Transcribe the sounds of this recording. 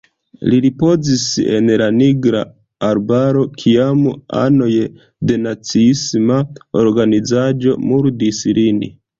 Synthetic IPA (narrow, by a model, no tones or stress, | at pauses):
liɾipo̞zise̞̰nlaniɡɾa̰ː | ɾbaɾo̞kʰiama̰no̞j | de̞nat͡siismaoɾɡanizad͡ʒo̞muɾdislinḭ